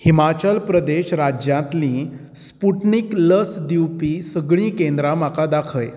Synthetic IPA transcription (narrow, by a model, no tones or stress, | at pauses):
himat͡ɕəlpɾəd̪eɕɾad͡ʑjãt̪lĩː | spuʈnikləsd̪iwpiːsəɡɭ̃ĩːkẽnd̪ɾam̤akad̪akʰəj